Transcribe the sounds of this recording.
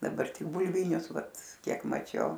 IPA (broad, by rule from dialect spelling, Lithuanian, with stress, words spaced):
dɐˈbɐr tʲɪk bʊlʲˈʋʲiːnʲʊs ˈʋɐt ˈkʲiɛk mɐˈt͡ʃʲɛʊ